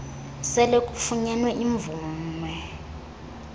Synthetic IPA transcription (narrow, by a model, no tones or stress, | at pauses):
sɛlekʼufuɲɛnwɛʔiɱb̪vuːmwɛ